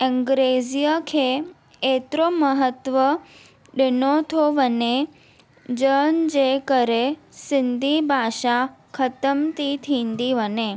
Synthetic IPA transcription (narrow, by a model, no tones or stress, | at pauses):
ɪ̃ŋɡɾezijəkʰe | et̪ɾoməɦət̪ʋə | ɖɪnot̪ʰoʋəne | d͡ʒənd͡ʒekəɾe | sɪnd̪ʱibʱaʃakʰət̪əmt̪it̪ʰĩnd̪iʋəne